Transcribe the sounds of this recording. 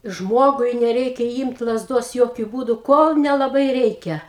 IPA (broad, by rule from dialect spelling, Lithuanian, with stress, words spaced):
ˈʒmoːɡʊɪ nʲɛˈrʲɛɪkʲɛ ˈiːmt lˠɐzˈdoːs ˈjoːkʲʊ ˈbuːdʊ ˈkoːlˠ nʲɛlˠɐˈbɐɪ ˈrʲɛɪkʲɛ